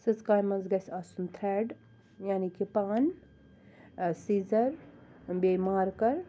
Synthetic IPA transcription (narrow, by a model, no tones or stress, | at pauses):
sɨskɾaːjmɐnzɡɐsasunt̪ʰɾɛɖ | jaːnikipaːn | sizɐɾ | bemaːɾkɐɾ